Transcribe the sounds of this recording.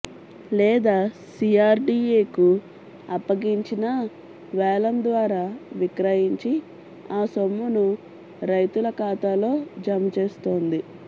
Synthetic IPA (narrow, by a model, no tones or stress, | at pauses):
lɛːd̪aːsiːaːɾɖiːeːku | ɐpːɐɡiɲt͡ʃinɐ | ʋɛːlɐnd̪ʋaːɾaːʋikɾɐjiɲt͡ʃi | aːsomːunu | ɾɐjt̪ulɐkaːt̪aːlo̞ːd͡ʒɐmɐt͡ʃe̞ːst̪o̞ːnd̪i